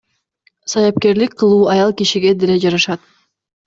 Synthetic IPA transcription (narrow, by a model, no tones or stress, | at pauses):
sɑjɑp̚ke̞ɾlik̚qʰɯlˠuːɑjɑlˠkiʃiɡe̞d̪ele̞d͡ʒɑɾɑʃɑt̪